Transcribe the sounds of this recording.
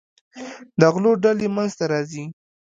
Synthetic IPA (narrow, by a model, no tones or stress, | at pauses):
d̪əɣloɖalemanzt̪aɾɑzi